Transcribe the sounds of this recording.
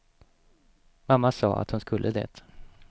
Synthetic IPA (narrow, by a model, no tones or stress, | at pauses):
mamːasɑ̰ːa̰t̪hʊnskɵlːʔəd̪ḛːt̪